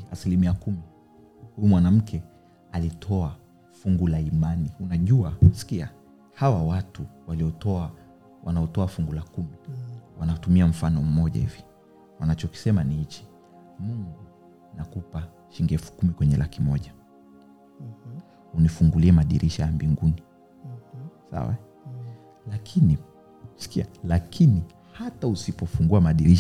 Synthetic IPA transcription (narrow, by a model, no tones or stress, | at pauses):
asilimiakumi | hujumwanam̩kʰɛ | alitʰɔa | fuŋɡulaimaniunaʄuasi̥kia | hawawatuwaliɔtɔa | wa̰naɔtɔafuŋɡulakumiwanatumiam̩fanɔm̩mɔʄa̰hivi | wanat͡ʃɔki̥sɛmanihit͡ʃi̥ | muŋɡu | nakupa | ʃiŋɡɛfu̥kumikwɛɲɛlakimɔʄa | unifuŋɡuliɛmaɗḭɾʔiʃajambiŋɡuni | sa̰wa̰ | lakʰini | si̥kialakʰini | hatausipɔfuŋɡuamaɗiɾiʃ